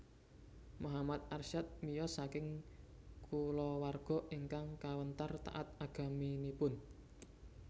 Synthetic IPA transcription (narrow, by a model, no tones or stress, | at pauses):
muɦamat̪̚ʔarʃat̪̚mijɔsakɪŋ | kʰulɔwarɡ̥ɔ̤ʔiŋkaŋkawənt̪art̪a̰ʔat̪̚aɡ̥a̤minipʊn